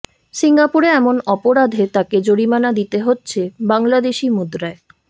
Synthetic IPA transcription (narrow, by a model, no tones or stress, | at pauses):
siŋɡapuɾeɛmonɔpoɾad̪ʱet̪aked͡ʑoɽimanad̪it̪eɦotːɕʰebaŋlad̪eʃimud̪ɾae